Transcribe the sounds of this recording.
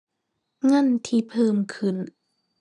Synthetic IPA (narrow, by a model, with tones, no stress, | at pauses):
ŋa˧˥˨nt̪ʰiː˧pʰɤː˧˨mkʰɯ˧˩˨n